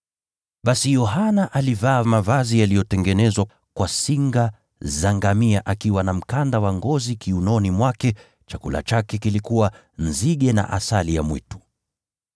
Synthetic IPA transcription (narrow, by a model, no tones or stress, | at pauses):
ɓasijɔɦanaʔalivaːmavazijalijɔtɛŋɡɛnɛzwa | kwasiŋɡa | zaŋɡamiaʔakiwanam̩kandawaŋɡɔzikiunɔnimwakɛ | t͡ʃakula̰t͡ʃakɛkilikuwa | n̩ziɠɛna̰ʔa̰salija̰mwḭtu̥